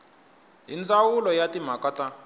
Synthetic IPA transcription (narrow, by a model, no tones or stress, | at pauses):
ɦint͡sawulɔjatim̤akata